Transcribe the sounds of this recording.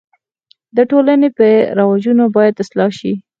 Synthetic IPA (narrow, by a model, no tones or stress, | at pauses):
d̪əʈolanepəɾawad͡ʒunobɑjad̪ɪslɑʃi